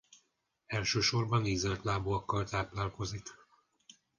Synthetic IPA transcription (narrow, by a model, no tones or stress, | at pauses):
ɛlʃøːʃo̞rbɒnizrɛt̪laːboɒkːɒlt̪aːplaːlko̞zik